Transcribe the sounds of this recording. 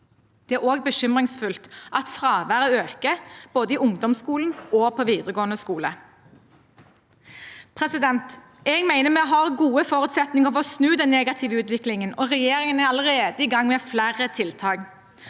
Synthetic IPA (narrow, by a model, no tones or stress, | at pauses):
d̪̥ɛæʁoːɡ̚bəʃʏmʁɪŋsfʉlt̪ʔɑt̪fʁɑːʋæʁəøːkəb̥oːd̪əiʊŋd̪ɔmskuːln̩ʔoːpʰɔʋiːd̪ʁəɡoːənəskuːlə | pʰʁɛsɪd̪ɛnt̪ | ɛɡmæɪnəmɛɦɑʁɡuːəfoːʁʉːt̪sɛt̪nɪŋəɔfɔsnʉːd̪ɛnneːɡɑt̪ʰɪʋəʉːt̪ʋɪklɪŋənɔʁɛjeːɾɪŋənæɑləʁeːd̪əiːɡɑŋmɛːflæʁət̪ʰɪlt̪ʰɑːɡ